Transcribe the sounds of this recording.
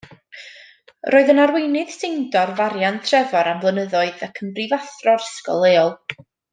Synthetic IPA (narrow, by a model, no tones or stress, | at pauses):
rʔoːɨðənarwejnɨðsejndɔrvaɾjantʰrɛvɔɾamvlˠənəðɔɨðəkʰəmbrivaθrɔrəskɔ̰lˠeːɔlˠ